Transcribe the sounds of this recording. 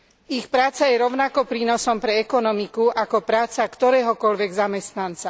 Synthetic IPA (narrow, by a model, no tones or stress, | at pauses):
ixpɾaːt͡sajɛɾɔʊnakɔpɾiːnɔsɔmpɾɛɛkɔnɔmikuʔakɔpɾaːt͡sakt̪ɔɾɛːɦɔkɔlʋɛɡzamɛst̪nant͡sa